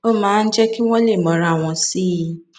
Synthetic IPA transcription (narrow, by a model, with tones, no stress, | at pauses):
o˦mãː˨˦n̩˦d͡ʒɛ˦ki˦w̃ɔ̃˦le˦˨mɔ˨ɾa˨w̃ɔ̃˨si˦i˧˦